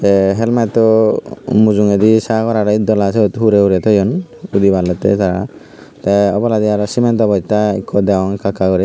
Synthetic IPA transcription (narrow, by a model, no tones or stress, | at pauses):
seɦɛlmat̪ɔ | mud͡ʒuŋed̪isakɔɾaɾɔid̪ɔlaseot̪ɦuɾeuɾɛt̪ʰɔjɔnud̪ibalɔt̪ḛsaɾa | t̪aɔbɔlad̪iaɾɔsimɛnt̪ɔbɔjt̪aḭkʰːɔd̪ɛwɔŋkakakɔɾɛ